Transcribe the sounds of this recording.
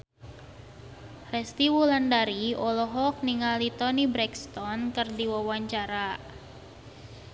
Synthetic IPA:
rɛst̪iwulandaɾiɔlɔɦɔk̚niŋalit̪ɔnibɾɛkst̪ɔnkɨrdiwawaɲt͡ʃaɾa

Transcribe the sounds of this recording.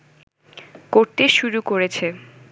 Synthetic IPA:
koɾt̪eʃuɾukoɾet͡ɕʰe

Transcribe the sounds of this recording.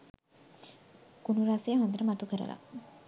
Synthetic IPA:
kunuɾasejəɦond̪əɾəmat̪ukəɾə̰la̰

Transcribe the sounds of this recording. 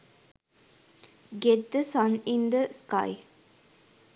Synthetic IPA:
ɡɛt̚d̪əsãnĩnd̪əska̰ɪ

